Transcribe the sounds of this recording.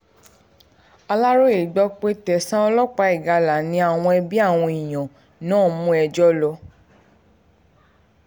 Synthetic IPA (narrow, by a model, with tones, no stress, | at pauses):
a˧la˦ɾo˦e˨ɡ͡bɔ˦k͡pe˦tɛ˨sã˦ɔ˧lɔ˦k͡pa˨˦i˨ɡa˨˧la˨nĩ˧˦a˨w̃ɔ̃˧ɛ˧bi˦a˦˨w̃ɔ̃˧i˨j̃ã˨ | nãː˦˨mũ˦ɛ˧d͡ʒɔ˦lɔ˧